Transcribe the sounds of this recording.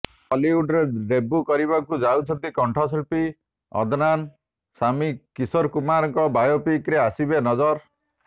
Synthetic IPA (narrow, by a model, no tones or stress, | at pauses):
ɔliuɖɾeɾebukɔɾiβakud͡ʒawt͡ʃʰɔnt̪ikɔɳʈʰɔs̬elpi | ɔ̰d̪ʱnan | samikisɔɾkumaɾɔŋkɔbajopikɾeasibenɔd͡ʒɔɾ